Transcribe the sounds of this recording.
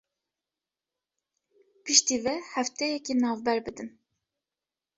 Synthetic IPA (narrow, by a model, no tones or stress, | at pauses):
pʰɨʃt̪iːvɛhɛft̪ɛjɛkinɑːvbɛɾbɨd̪ɨn